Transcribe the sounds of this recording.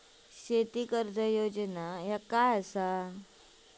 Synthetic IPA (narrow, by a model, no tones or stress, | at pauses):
ɕet̪ikəɾd̪ʱəjod͡ʑənajakajəsa